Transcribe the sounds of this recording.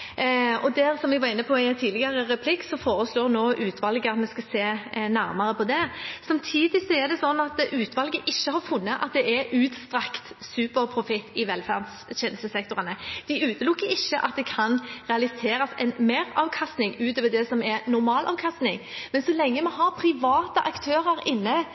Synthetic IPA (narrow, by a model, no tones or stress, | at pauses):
ɔd̪æɾsɔmʋɛɡʋɑɾɪnːəpʰɔɪt̪ʰiːlɪɡɑɾəɾɛpʰlɪksɔfoːɾəsloːɾnoːʔʉːt̪ʰʋɑlɡəɑt̪mɛskɑseːnæɾmɑɾəpʰɔd̪ɛsɑmt̪ʰiːd̪ɪsɔɛʁd̪ɛsɔnːɑt̪ʔʉːt̪ʋɑlɡəʔɪçːəhɑɾfʊnːəʔɑ̰t̪̚d̪ɛɛɾʉːt̪st̪ɾɑkt̪sʉːpəɾpʰɾʊfɪt̪ːɪʋɛlfæ̰ʁd̪sɕɛnəst̪əsɛk̚t̪ʊʁənəd̪̥ɪʉːt̪əlʊkːəɪçːəʔɑt̪̚d̪ɛkʰɑnʁɛɑlɪseːɾɑsɛ̰nmeːɾɑːʋkʰɑst̪nɪŋʉːt̪øːʋəd̪ɛsɔmɛɾnʊɾmɑːlʔɑ̰ːʋkʰɑst̪nɪŋmɛnsɔlɛŋːəmɛɦɑɾpʰɾɪʋɑːt̪əʔɑkt̪ʰøːɾəɾɪnːə